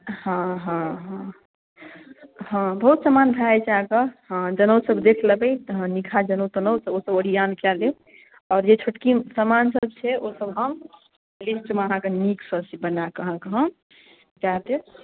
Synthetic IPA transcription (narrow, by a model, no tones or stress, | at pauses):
ɦɔ̃ɦə̃ɦ | ɦɔ̃bəɦut̪səmanbʱajt͡ʃʰəɦãkeɦd͡ʒənəwsəbd̪ekʰləbɛjt̪ɦnikʰad͡ʒənəwt̪ənəwtəosəbəɽijankale | ɔːɾd͡ʒet͡ʃʰoʈkisəmansəb̚t͡ʃʰɛosəbɦəm | lisʈmeəɦãkeniksəbsibənakəɦəkɦə̃m | d͡ʒat̪e